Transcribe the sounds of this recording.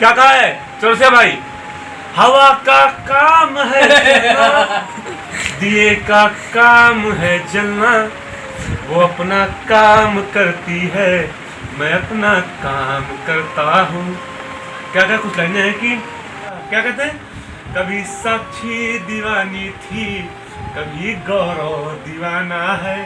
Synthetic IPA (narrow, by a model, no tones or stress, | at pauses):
kjaːkɐɦaɦɛː | t͡ʃoɽosijabʱaːi | hɐʋakakaːmɦɛd͡ʒɐlna | d̪iekakaːmɦɛd͡ʒɐlna | ʋoɐpnakaːmkɐɾt̪iɦɛ | mɛ̃ɐpnakaːmkɐɾt̪aɦũː | kjakɛkʊt͡ʃʰlanaɦɛki | kjakɐɾt̪eɦɛ̃ | kɐbʱisɐb̚t͡ʃʰid̪iʋaːnit̪ʰi | kɐbʱiɡɔːɾod̪iʋaːnaɦɛː